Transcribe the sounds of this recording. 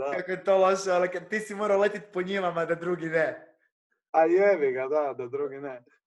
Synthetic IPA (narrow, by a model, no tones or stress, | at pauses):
d̪akakojɛt̪oloʃɛalɛkɛɾt̪iːsimoːɾawlet̪it̪̚poɲiʋamad̪ad̪ɾuːɡinɛ | ajɛʋiɡad̪ad̪ad̪ɾuːɡinɛ